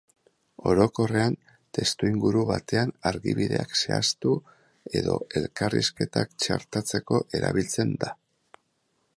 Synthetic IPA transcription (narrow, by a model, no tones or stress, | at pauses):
o̞ɾo̞ko̞re̞an | t̪e̞st̪uiŋɡuɾuβat̪e̞anaɾɣiβiðe̞akse̞ast̪u | e̞ðo̞e̞lkarḭske̞t̪akt͡ʃa̰ɾt̪at͡se̞ko̞ʔe̞ɾa̰βilt͡se̞nd̪a